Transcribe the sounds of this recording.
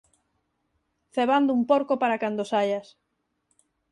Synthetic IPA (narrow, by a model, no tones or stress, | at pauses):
θeβand̪ʊumpoɾkopaɾakand̪osaʎas